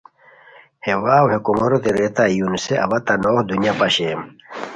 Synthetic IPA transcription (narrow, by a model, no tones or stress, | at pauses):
hewaːwhekumɐɾot̪eɾet̪ajunseʔɐ̰wɐt̪anoːhd̪unjapɐɕem